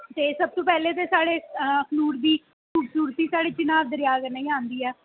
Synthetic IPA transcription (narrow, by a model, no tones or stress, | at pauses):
t̪eːsəb̚t̪õːpɛːleːt̪̬eːsaːɽeːəkʰnuːɾd̪iː | kʰuːbsuːɾət̪ːiːsaːɽeːt͡ʃɪnaːʋd̪əɾɪjaːɡnaĩːaːnd̪iːɛː